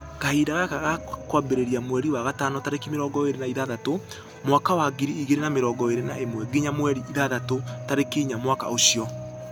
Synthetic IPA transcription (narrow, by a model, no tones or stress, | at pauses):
kahidaɣakaɣakwabeɾeɾiamwɛɾiwaɣatanɔtaɾekimeɾɔːɡɔeɾenaiðaðato | mwakawaɡiɾiiɣeɾenameɾɔːɡɔeɾenaemwɛɡiɲamwɛɾiʔiðaðatotaɾekiɲamwaka̰oɕijɔ